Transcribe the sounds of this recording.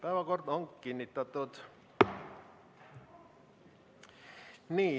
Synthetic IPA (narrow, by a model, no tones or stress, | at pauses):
pæeʋækort̪oŋkːinːit̪ːɑt̪ːot̪ | niː